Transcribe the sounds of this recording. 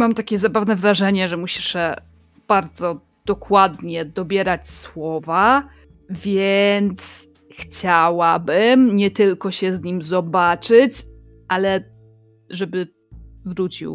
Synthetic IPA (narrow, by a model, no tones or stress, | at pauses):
mamt̪akʲɛzabavnɛvɾaʐɛɲɛʐɛmuɕi̥ʂɛ | b̥aɾd̪zɔ | d̪̥ɔkwad̪ɲɛd̪ɔbʲjɛɾat͡ɕswɔva | vʲjɛnt̪s | xt͡ɕawabɘmɲɛt̪ɘlkɔɕɛzɲimzɔbat͡ʂɘt͡ɕ | ʔalɛ | ʐɛbɘ | vɾut͡ɕḭw